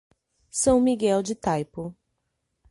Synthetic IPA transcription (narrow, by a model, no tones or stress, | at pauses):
sɐ̃w̃miɡɛwd͡ʒɪt̪ajpʊ